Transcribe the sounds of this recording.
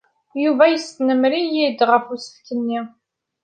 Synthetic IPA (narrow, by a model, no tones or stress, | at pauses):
juvæjəst̪nəmɾijid̪ʁəfusə̥fkənːi